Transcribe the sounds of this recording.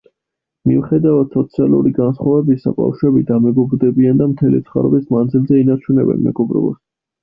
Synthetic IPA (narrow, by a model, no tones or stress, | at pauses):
miuχɛd̪avad̪sɔt̪sʰialˠṵɾiɡansχwavɛbisa̰ba̰fʃɛbid̪amɛɡɔbɾd̪ɛbiand̪amt̪ʰɛlḭt̪sʰχa̰ɾɔ̰bismand̪zilzɛinat͡ʃʰunɛ̰bɛ̰nmɛ̰ɡɔbɾɔ̰ba̰s